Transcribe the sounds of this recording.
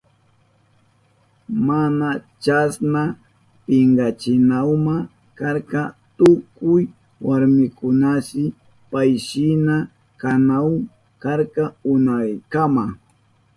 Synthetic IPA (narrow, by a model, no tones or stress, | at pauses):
manat͡ʃasna | pɪŋɡat͡ʃɪnawma | kaɾkɑt̪ʊkʊj | waɾmɪkʊnasɪ | pajʃɪna | kanaw | kaɾkɑʊnajkama